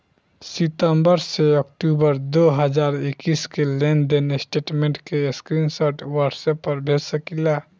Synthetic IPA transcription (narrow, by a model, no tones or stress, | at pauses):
sit̪əmbəɾseəkʈubəɾd̪oɦəd͡ʒaːɾɪkːiskeleːnd̪enesʈeːʈmẽɳʈkeskɾinsəɾʈwəɾʈsepːəɾbʱesəkila